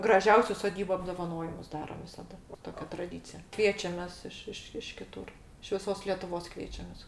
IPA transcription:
ɡrɐˈʒʲɛʊsʲʊ soːˈdʲiːbʊ ɐbdoːʋɐˈnoːjɪmʊs ˈdɑːroːm ʋʲɪsɐˈdɐ ˈtoːkʲɛ trɐˈdʲiːt͡sʲɪjɛ ˈkʋʲiɛt͡ʃʲɛmʲeːs ˈɪʃ ˈɪʃ ɪʃ kʲɪˈtʊr ɪʃ ʋʲɪˈsoːs lʲɛtʊˈʋoːs ˈkʋʲiɛt͡ʃʲɛmʲeːs

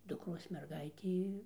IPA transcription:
dʊkˈroːs mʲɛrˈɡɐɪtʲeː

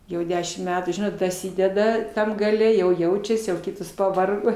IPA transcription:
jɛʊ ˈdʲæːʃʲɪm ˈmʲæːtuː ˈʒʲɪnoːt dɐˈsʲiːdʲɛdɐ ˈtɐm ɡɐˈlʲɛ jɛʊ ˈjɛʊt͡ʃʲɛsʲɪ jɛʊ ˈkʲɪtoːs pɐˈʋɐrɡoː

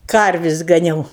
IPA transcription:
ˈkɐrʲʋʲɪsʲ ɡɐˈnʲɛʊ

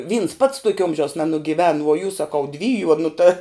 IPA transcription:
ʋʲiːns pɐts ˈtuɔkʲɛ ˈoːmʲʒʲɛʊs nʲɛnʊɡʲɪˈʋʲɛn ʋuɔ jʊs sɐˈkɐʊ ˈdʲʋʲiːjʊ oː nʊ tɐ

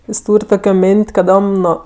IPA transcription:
ˈjɪs ˈtuːrʲ ˈtoːkʲoː ˈmʲeːnʲtʲ kɐˈdoːm ˈnoː

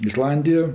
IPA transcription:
ɪˈslˠɐnʲdʲɪjoː

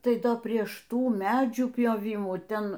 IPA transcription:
ˈtɐɪ ˈdoː ˈpʲrʲiɛʃ ˈtuː ˈmʲæːd͡ʒʲuː pʲjoːˈʋʲiːmuː ˈtʲɛn

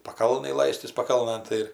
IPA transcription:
pɐˈkɐlˠnɐj ˈlˠɐɪsʲtʲɪs pɐˈkɐlˠnɘn ˈtɐɪ ɪr

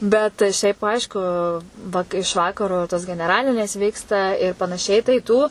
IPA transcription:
bʲɛt ˈʃʲɛɪp ˈɐɪʃkʊ ʋɐ ɪʃ ˈʋɑːkɐroː toːs ɡʲɛnʲɛˈrɑːlʲɪnʲeːs ˈʋʲiːkstɐ ɪr pɐnɐˈʃʲɛɪ tɐɪ ˈtuː

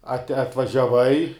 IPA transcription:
ɐtʲ ɐtʋɐʒʲɛˈʋɐɪ

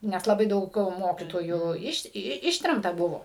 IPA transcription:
nʲɛs lˠɐˈbɐɪ ˈdɐʊk ˈmoːkʲiːtoːjuː ˈɪʃ ˈɪʃʲtʲrʲɛmtɐ ˈbʊʋoː

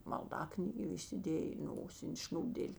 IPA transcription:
mɐlˠˈdɑːknʲiːɡʲeː iːsʲɪˈdʲeːjeː ɪ ˈnoːsʲɪnʲ ˈʃʲnʲuːbʲdʲeːlʲ

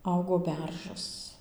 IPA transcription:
ˈɐʊɡoː ˈbʲɛrʒɐs

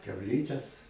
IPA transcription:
kʲɛʊˈlʲiːtʲɛs

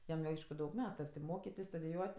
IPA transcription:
ˈjɛm jɛʊ ˈɐɪʃkʊ ˈdɐʊk ˈmʲæːtʊ ɐ tʲɪ ˈmoːkʲɪtʲɪs stʊdʲɪˈjuɔtʲ

